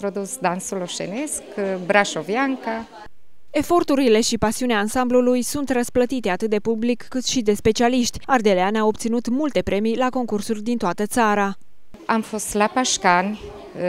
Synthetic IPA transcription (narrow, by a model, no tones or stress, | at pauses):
t̪ɾod̪usd̪ansuloʃḛneskbɾaʃovjaŋka | e̞fo̞rt̪uɾile̞ʃipasiuneaːnsamblulujsunt̪rəsplət̪it̪e̞at̪ɨt̪̚d̪e̞publikːɨt̪ʃid̪e̞spe̞t͡ʃialiʃt̪ʲard̪e̞leanao̞p̚t̪sinut̪mult̪e̞pɾʔe̞mijlako̞ŋkursurʲd̪int̪oat̪ət̪saɾa | amfo̞st̪lapaʃkan